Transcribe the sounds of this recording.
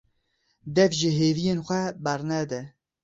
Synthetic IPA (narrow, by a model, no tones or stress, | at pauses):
d̪ɛfʒəɦeːvijeːnxʷɛbɛɾnɛd̪ɛ